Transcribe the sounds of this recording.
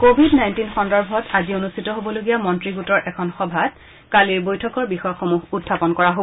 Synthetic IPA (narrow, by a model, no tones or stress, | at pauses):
kobʱidnajntinxɔndɔɹbʱɔtazionustʰitɔɦobɔloɡijamɔntɹiɡutɔɹʔɛkʰɔnxɔbʱat | kaliɹbojtʰɔkɔɹbixɔjɔxomuɦutʰːapɔnkɔɹaɦo